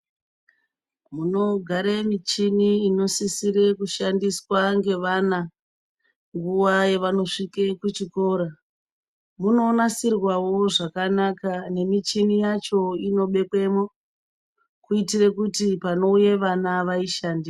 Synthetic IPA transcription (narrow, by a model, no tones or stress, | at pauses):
muno̞ɡʱaɾemit͡ʃiniino̞sisiɾe̞kuʃandiswaŋɡe̞ʋana | ŋɡuʋaje̞ʋano̞ʂike̞kut͡ʃiko̞ːɾa | muno̞ːnasirwawo̞ʐakanakane̞mit͡ʃinijat͡ʃo̞ino̞ɓe̞kwe̞mo | kuitirekutipano̞uje̞ʋanaʋaiʃandi